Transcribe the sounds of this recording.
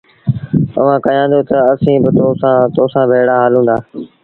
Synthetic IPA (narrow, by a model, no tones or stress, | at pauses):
ə̰ʋ̤ãːkɐjãːd̪joːt̪əəsĩːbɪt̪oːsãːt̪oːsãːbʱeːɽaːɦaːlũːnd̪aː